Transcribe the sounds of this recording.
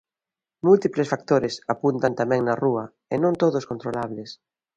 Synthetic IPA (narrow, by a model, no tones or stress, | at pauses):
mult̪iplesfak̚t̪oɾɪsapunt̪ant̪amɛ̃ŋnɐruɐ | ɪnõnt̪oðʊskont̪ɾolaβlɪs